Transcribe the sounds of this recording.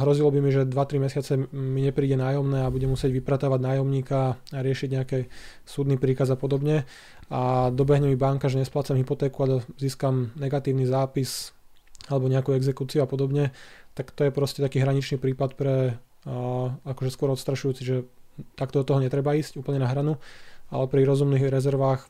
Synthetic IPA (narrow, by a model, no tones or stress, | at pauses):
ɦɾɔzilɔbimiʒɛd̪ʋat̪ɾimɛsɪat͡sɛmiɲɛpɾiːɟɛnaːjɔmnɛːabuɟɛmusɪɛɟʋipɾat̪aʋaɟnaːjɔmɲiːkaːɾɪɛʃiɟɲɛakɛ | suːd̪nipɾiːkazapɔd̪ɔbɲɛ | ad̪ɔbɛɦɲɛmibaŋkaʒɛɲɛsplat͡samɦipɔt̪ɛːkuaʎɛziːskamnɛɡat̪iːʊnizaːpis | alɛbɔɲɛakuɛɡzɛkuːt͡siuapɔd̪ɔbɲɛt̪akt̪ɔjɛpɾɔscɛt̪akiːɦɾaɲit͡ʃniːpɾiːpat̪pɾɛ | akɔʒɛskʊɔɾɔt̪st̪ɾaʃujuːt͡siʒɛt̪ak̚t̪ɔd̪ɔt̪ɔɦɔɲɛt̪ɾɛbaiːscuːpl̩ɲɛnaɦɾanua̰lɛpɾiɾɔzumniɣɾɛzɛɾʋaːx